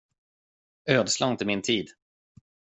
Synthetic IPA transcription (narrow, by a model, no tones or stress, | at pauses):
øːd̪slaɪnt̪əmɪnt̪ʰiːd̪